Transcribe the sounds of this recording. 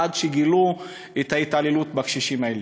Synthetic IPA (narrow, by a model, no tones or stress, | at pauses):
adʃeɡilu | et̪haitalelutbakʃiʃimael